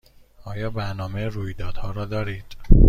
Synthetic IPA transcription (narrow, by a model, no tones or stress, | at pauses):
ɒːjɒːbæɾnɒːmeruːjd̪ɒːd̪̥hɒːɾɒːd̪ɒːɾiːd̪̥